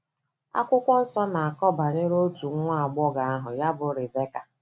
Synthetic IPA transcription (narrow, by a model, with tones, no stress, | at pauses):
a̰˦kʷʊ˦kʷɔ˦sɔ˦na˨a˨kɔ˦ba˨ɲɪ˦ɾo˦tu˨˦ŋʷa˦a˨ɡ͡bɔ˦ɡa˨a˦ɦʊ˨ja˦bʊ˨ɾɪ˨be˦ka˨